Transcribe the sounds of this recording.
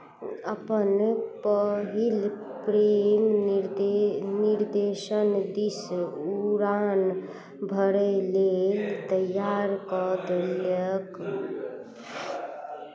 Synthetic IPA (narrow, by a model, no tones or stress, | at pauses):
əpənpəɦilpɾemɾniɾd̪eʃənd̪isuɾan | bʱəɾəlelt̪əjaɾkɔd̪elək